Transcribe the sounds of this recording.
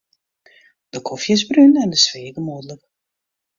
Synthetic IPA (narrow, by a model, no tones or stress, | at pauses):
d̥əkʰɔfjəzbrynɛndəsʋeːɡəmoːdələk